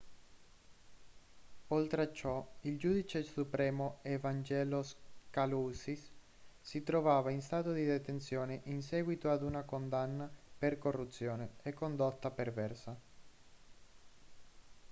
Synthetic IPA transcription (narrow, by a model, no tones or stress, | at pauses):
olt̪ɾeat͡ʃːɔild͡ʒuːd̪it͡ʃesupɾɛːmoevand͡ʒɛːloskaluːsisː | it̪ɾovaːvainst̪aːt̪od̪id̪et̪ent̪sjoːneʔins̬ɛːɡwit̪oad̪unakond̪anːaperkorːut̪sːjoːneekːond̪ot̪ːapervɛrsa